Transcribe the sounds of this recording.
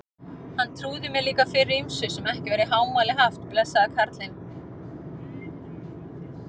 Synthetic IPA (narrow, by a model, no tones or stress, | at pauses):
hant̪ʰɾuːðɪmjɛliːkafɪrːɪimsʏsɛmɛhcɪvɛɾɪɦaːwmaːjlɪɦaft̪plɛsːaðakʰaɾt̪lɪn